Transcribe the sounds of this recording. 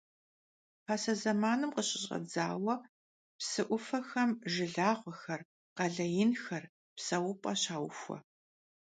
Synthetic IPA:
pʰaːsɐzɐmaːnɨmqəɕʼɪɕʼɐ̰d͡zaːwɐ | psɨʔʷʊfɐxɐmʒɪɮaːʁʷɔxɐr | qɐɮɐjɪnxɐr | psɐwʊpʼɐɕaːwfʷɔ̰

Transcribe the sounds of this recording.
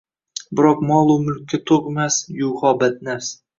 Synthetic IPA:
bɪɾɒqmɒlˠʊmʊlkʲːat̪ʰoqmasjʊwχɒbat̪̚nafs

